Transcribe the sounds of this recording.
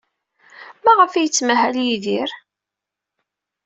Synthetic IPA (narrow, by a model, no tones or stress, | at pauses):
mæʁəfæjət͡sːmæɦæljiðiɾ